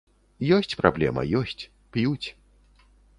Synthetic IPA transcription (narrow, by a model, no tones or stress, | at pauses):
jɔsʲt͡sʲpɾablʲɛ̰mɐ̰jɔsʲt͡sʲ | pjut͡sʲ